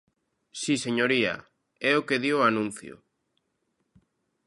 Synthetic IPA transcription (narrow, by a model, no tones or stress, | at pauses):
siseɲoɾia̰ | ɛokeðianũnθjo̰